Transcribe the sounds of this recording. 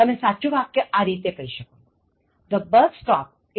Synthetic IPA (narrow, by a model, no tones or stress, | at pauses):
t̪ɐmẽsatːʃubʱakkəʔaɾiːt̪jekəɦiʃəkoː | d̪əbəɾd̪sʈɔp̚ | ɪ